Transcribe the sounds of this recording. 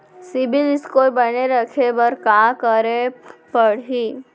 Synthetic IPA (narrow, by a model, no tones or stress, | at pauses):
sɪbɪlɪskobɐneɾɐkʰebəɾkakəɾepəɽɦiː